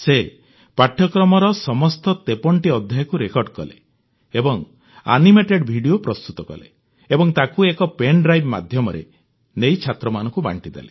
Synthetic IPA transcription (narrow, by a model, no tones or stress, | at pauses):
se | paʈʰjɔkɾɔmɔɾɔsɔmɔst̪ɔt̪epɔɳʈiɔd̪ʱjajɔkuɾekɔɾɖkɔlḛ | ebɔŋ | a̰nimeʈeɖbʱiɽijopɾɔst̪ut̪ɔkɔ̰lḛ | ebɔŋt̪akuekɔpenɖɾajbma̰d̪ʱjɔmɔɾḛ | nejt͡ʃʰat̪ɾɔmanɔ̃ŋkuba̰ɳʈid̪ḛle